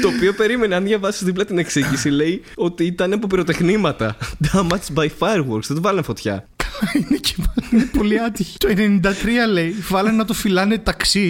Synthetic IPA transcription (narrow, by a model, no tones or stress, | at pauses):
t̪oːpio̞pe̞ɾime̞neɐnðʝɐvɐsizðiplɐt̪ine̞ksiʝisile̞j | o̞t̪iit̪ɐneɐpopiɾo̞t̪e̞xnimɐt̪ɐd̪ɐmɐt͡sbɐjfɐɾɣoɾksðet̪ovɐlɐnefo̞t̪çɐ̰kɐinece̥mɐninepo̞liɐt̪içi̥t̪oene̞nind̪ɐt̪ɾiɐle̞ivɐlɐnnɐt̪ofilɐne̞t̪ɐksi